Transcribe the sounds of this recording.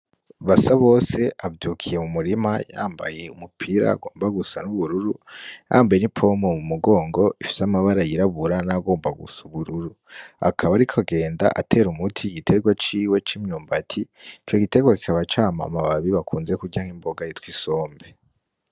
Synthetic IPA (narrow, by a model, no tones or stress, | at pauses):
βasaβo̞ːse̞ʔavjuːkʰije̞mumuɾimaja̰ːmba̰je̞umupʰiɾa̰a̰ɡo̞ːmbaɡusanuβuɾuɾuja̰ːmbaje̞nipʰo̞momumuɡo̞ːŋɡo̞ifi̥samaβaɾajiɾaβuɾanaɡo̞ːmbaɡṵsuβuɾuɾu | a̰kʰaβaɾikʰoɡe̞ːnda̰ʔa̰tʰe̞ːɾumutʰiɡitʰe̞ɡwat͡ʃiːwet͡ʃimɲuːmbatʰi | it͡ʃoɡite̞ɡwaki̥kaβat͡ʃaːma̰maβaβiβakʰuːnze̞kuɟaŋimbo̞ɡajitwiso̞ːmbe̞